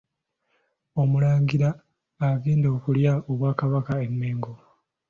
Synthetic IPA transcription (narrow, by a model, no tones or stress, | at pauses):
o̞mulaːŋɡiɾaː | ɡeːndo̞ːkuljao̞βwaːkaβakaemːeːŋɡo